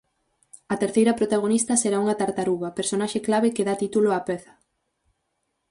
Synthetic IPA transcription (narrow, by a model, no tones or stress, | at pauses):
ɐt̪eɾθejɾɐpɾot̪aɣ̞onist̪ɐseɾauŋɐt̪aɾt̪aɾuβɐpeɾsonaʃeklaβekeðat̪it̪uloapɛθɐ̥